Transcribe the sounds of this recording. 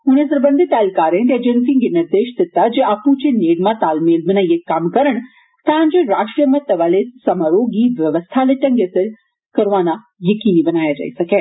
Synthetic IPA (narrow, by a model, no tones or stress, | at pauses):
ʊnẽsɐɾbə̃nd̪ʱit̪aːlkaːɾẽt̪ed͡ʒent̪ĩŋɡenɪɾd̪eːʃd̪ɪt̪ːad͡ʒeʔaːpũt͡ʃeneːɽmãt̪aːlmeːlmɪnaijekamkɐɾəɽ̃ | t̪ɐãːɲt͡ʃeɾaːʈɾijəmɐ̃t̪ɐʋaːlesɐmaːɾoːɡiʋjɐʋəst̪ʰaleʈɐ̃ŋɡesəɾ | kɐɾʋaːna | jɐkiːnibɐnaːjad͡ʒa̰ːisɐkeː